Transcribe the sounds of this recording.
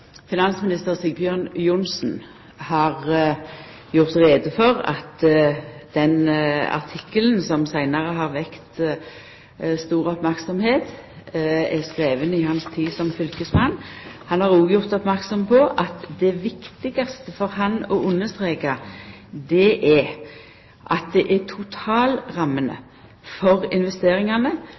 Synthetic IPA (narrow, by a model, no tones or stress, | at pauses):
fɪnɑnsmɪnɪst̪əʁsɪɡbjøːʁnjʊnsn̩ | hɑʁ | jʊʁt̪ʁeːd̪əfɔʁɑ̰t̪ | d̪̥ɛnɑ̰ʁt̪ʰɪkːələn̩sɔmsæɪnɑʁəɦɑʁʋɛkt̪ | st̪uːʁɔpmæʁksɔmheːt̪ | ɛskʁeːʋənɪhɑnst̪ʰiːsɔmfʏlkəsmɑnːhɑnhɑʁuːɡjʊʁt̪ɔpmæʁksɔmpʰɔʔɑt̪d̪ɛʋɪkt̪ɪɡɑst̪əfɔɾɦɑnɔʊnːəsʁeːɡɑ | d̪ɛʔɛ | ʔɑt̪̚d̪ɛʔæt̪ʰʊt̪ʰɑːlʁɑmːənə̰ | fɔɾɪnʋɛst̪eːɾɪŋɑnə